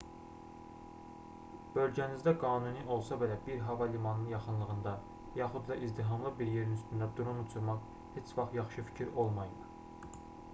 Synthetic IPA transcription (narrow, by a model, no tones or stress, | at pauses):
b̥ø̞lɟænizd̪æɡɑːnuniʔo̞lˠsɑbe̞læbiɾɦɑvɑlimɑnɯnjɑχɯnlˠɯʁɯnd̪ɑ | jɑχud̪lˠɑʔizd̪iɦɑmlˠɯbiɾje̞ɾinyst̪ynd̪æd̪uɾunut͡ʃʰuɾmɑχ | het͡ʃʰvɑχt̪jɑχʃɯfi̥cʰiɾo̞lˠmɑjɯm